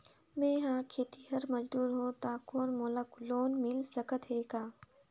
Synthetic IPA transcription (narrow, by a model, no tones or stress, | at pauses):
mẽːɦãːkʰeːt̪iɦɐɾmɐd͡ʒd̪uːɾɦoːt̪aːkoːnmoːləkloːnmɪlsɐkət̪ɦeːkaː